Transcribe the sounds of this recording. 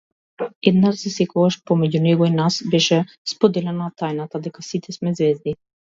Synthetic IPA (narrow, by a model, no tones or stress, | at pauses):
ɛd̪naʒzɛsɛkɔɡaʃpɔmɛɟunɛɡɔinasbɛʃɛ | spod̪ɛlɛnat̪ajnat̪ad̪ɛkasit̪ʰɛsmɛzvɛzd̪i